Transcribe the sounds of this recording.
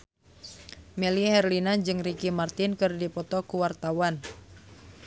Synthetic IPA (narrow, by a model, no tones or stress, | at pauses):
mɛlihɛrlinad͡ʒɨŋrikimart̪inkɨrdipɔt̪ɔkuwart̪awan